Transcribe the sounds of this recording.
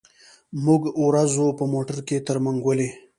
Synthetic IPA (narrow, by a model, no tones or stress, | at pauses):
muɡwɾazopəmoʈəɾket̪əɾmaŋɡwəle